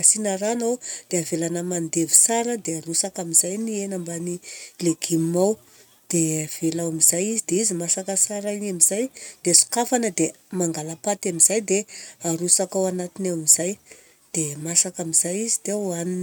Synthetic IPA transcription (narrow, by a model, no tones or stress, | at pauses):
asinəɾanowd̪̥eavelanəmand̪evi̥saɾəd̪eaɾusakamizajnienambanileɡimmaw | d̪̥eav̥elawamizajizid̪eizimasakəsaɾainamiz̥ajd̪̥esu̥kafanəd̪e | maŋɡalapat̪amizajd̪eaɾusakawanat̪inawamizaj | d̪̥emasakamizajizit̪ewanin